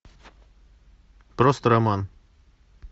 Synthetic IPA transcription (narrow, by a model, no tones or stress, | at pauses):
pɾost̪ɾaman